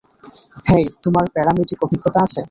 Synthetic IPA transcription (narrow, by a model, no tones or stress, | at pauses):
hejt̪omaɾpɛɽamiʈikobʱikːot̪aat͡ɕʰe